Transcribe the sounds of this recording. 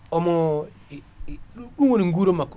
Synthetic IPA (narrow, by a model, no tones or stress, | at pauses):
ɔmɔ | uɗuŋoniŋɡuɾomak